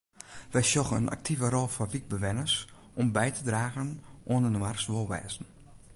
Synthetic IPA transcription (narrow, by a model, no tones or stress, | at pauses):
ʋɛjsjɔxə̰nʔa̰k̚tʰivəɾɔlˠfɔʋik̚bəʋɛnəs | ɔmbɛjtʰədraːɣənʔoənədəmarsʋolˠʋɛ̰ːzn̩